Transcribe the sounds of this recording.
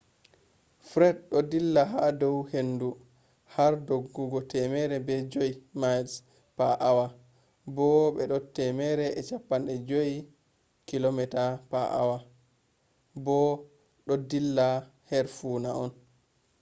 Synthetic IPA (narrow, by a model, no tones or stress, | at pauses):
fɾɛd̚ɗɔdilːaɦadɔwhendu | haɾdoɡːuɡɔtɛmɛɾɛbɛd͡ʒoimajls | paʔawa | bɔbɛɗɔtɛmɛɾɛɛt͡ʃapːanɗɛd͡ʒoi | kilomɛtapaʔa̰wa | bɔ | ɗɔdilːa | hɛɾfunaɔn